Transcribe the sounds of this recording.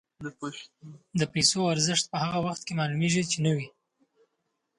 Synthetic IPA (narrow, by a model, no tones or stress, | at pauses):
d̪əpajsoaɾzɪʂt̪̚pəhaɣawaxt̪̚kemɑlumeʒit͡ʃenəwi